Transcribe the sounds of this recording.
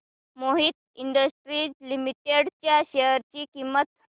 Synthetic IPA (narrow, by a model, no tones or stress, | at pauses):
moɦit̪̚ | iɳɖəsʈɾiːd͡ʑlimiʈeɽt͡ɕjaɕeəɾt͡ɕiːkimːət̪